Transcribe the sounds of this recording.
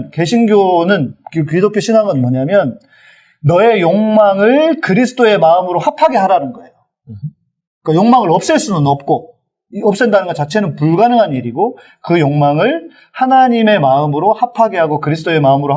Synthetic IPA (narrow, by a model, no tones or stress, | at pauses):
nke̞ɕʰinɡjonɯnkkɥidokjoɕʰiŋaɡɯnmʌɲamjʌnː | ʌe̞joŋmaŋɯɭkɯɾisʰɯ̥t͈ʰoe̞maɯmɯɾohapʰaɡeɦaɾanɯnɡʌe̞jo | k͈ajoŋmaŋɯɾʌp̚s͈ɯɭs͈unɯnʌp̚k͈o | ʌp̚s͈ɯndanɯnɡʌt͡ɕat͡ɕʰe̞nɯnpuɭɡanɯŋɦaniɾiɡo | kɯjoŋmaŋɯɭ | hanaɲime̞maɯmɯɾohapʰaɡeɦaɡokɯɾisʰt͈ʰoe̞maɯmɯɾo